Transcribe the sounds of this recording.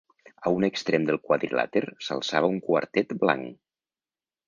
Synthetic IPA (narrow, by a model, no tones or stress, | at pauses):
aunəkst̪ɾemd̪əlˠkwaðɾḭla̰t̪eɾsə̰lˠsaβ̞əuŋkwa̰ɾt̪ɛt̪bla̰ŋ